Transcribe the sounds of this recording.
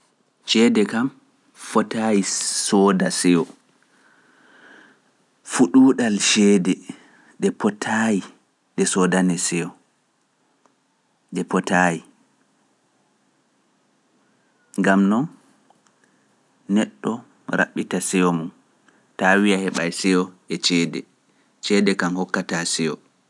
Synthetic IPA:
t͡ʃɛːdɛkam | fɔtajisɔːdasɛɔ | fuɗuːɗalʃɛːdɛ | ɗɛpɔtʰaji | ɗɛsɔdanɛsɛjɔ | ɗɛpɔtaji | ŋɡamnɔn | nɛɗːɔ | ɾa̰ɓːitasɛɔmun | tawijahɛɓajsɛɔ | ɛt͡ʃɛːdɛ | t͡ʃɛːdɛkanhɔkːatasɛɔ̰

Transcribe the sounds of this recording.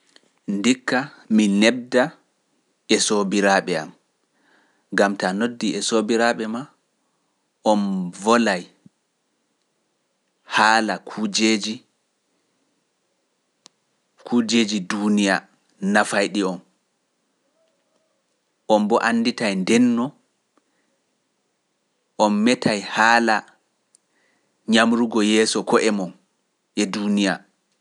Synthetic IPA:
ndikːa | minɛb̚da | ɛsobiɾaɓɛa̰m | ɡamtanodːiʔɛsobiɾaɓɛma | ʔɔnvɔlaj | haːlakʰud͡ʒed͡ʒi | kʰuːd͡ʒeːd͡ʒidunija̰ | nafajɗiɔn | ʔɔmbɔʔanːditajndɛnːɔ | ʔɔmːɛtʰajhaːla | ɲamɾuɡɔjɛːsɔkɔʔɛmɔn | ʔɛdunija

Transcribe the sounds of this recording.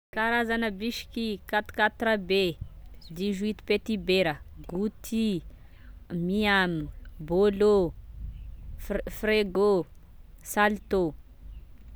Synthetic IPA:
kaɾazanəbiʃi̥kikat̪u̥kat̪ɾabed̪izwit̪u̥pet̪ibeɾəɡut̪ʰi | miamubolo | freɡo | salt̪o

